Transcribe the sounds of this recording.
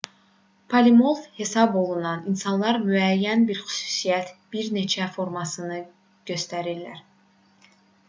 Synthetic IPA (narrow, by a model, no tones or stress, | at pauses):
pʰɑlimo̞lˠvhe̞sɑbo̞lˠunɑninsɑnlˠɑɾmyæjːænbiɾxy̥sy̥sijæt̪b̥iɾne̞t͡ʃʰæfo̞ɾmɑsɯnɯ | ɟ̥ø̞st̪æɾillæ̰ɾ